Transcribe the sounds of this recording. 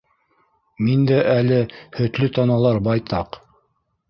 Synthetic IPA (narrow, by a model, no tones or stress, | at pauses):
mind̪æʔælɘhɵ̆t̪lɵt̪ɑnɑlˠɑɾbɑjt̪ʰɑq